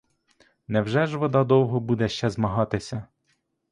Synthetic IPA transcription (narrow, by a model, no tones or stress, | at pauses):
nɛwʒɛʒʋɔd̪ɑd̪ɔwɦɔbud̪ɛʃt͡ʃɛzmɐɦɑt̪ɪsʲɐ